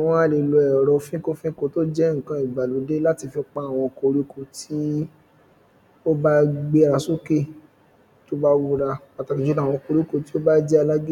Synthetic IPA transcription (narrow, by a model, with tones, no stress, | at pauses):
a˨w̃ɔ̃˦˧a˧le˨lo˧ɛ˨ɾɔ˧fĩ˦ko˦fĩ˦ko˦to˦d͡ʒɛ˦ŋ̩˨kã˨˦i˨ɡ͡ba˨lu˨˦de˦la˦ti˧fɛ˧k͡pa˦a˦˨w̃ɔ̃˧ko˧ɾi˦ko˧˨ti˦ | o˦ba˦ɡ͡be˦a˨˧ɾa˧so˦ke˦˨ | to˦ba˦wu˦ɾa˧a˨ta˨˧ki˨d͡ʒo˦nã˦˨ɔ̃˧ko˧ɾi˦ko˧ti̥˦o˦ba˦d͡ʒɛ˦a˧la˦ɡi˦˨